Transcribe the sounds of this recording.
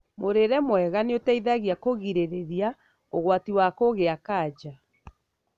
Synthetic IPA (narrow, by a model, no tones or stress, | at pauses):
moɾeɾɛmwɛɣaneotɛiðaɣjakoɣiɾeɾeɾia | oɣwatiwakoɣeakaːd͡ʒa